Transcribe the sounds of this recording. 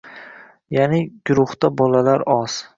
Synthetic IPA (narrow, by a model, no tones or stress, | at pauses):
janɪɡʊɾʊht̪abɒlalaɾɒz̥